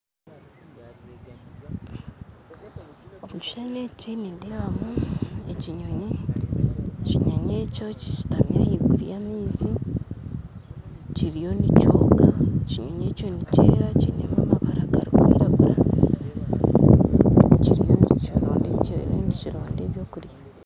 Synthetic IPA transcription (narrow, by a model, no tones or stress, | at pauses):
omut͡ʃu̥ʃanecinindeβamueciɲoɲe | ciɲaɲe̞ːco̞cit͡ʃi̥tamjahiɡuɾijamiːzi | ciɾijo̞nicoːɡaciɲoɲeːco̞niceːɾacinemaβaβaɾakaɾikwḭːɾaβuɾa | ciɾijoniiɾo̰ːndiciɾḛniciɾoːndeβjoːkuɾja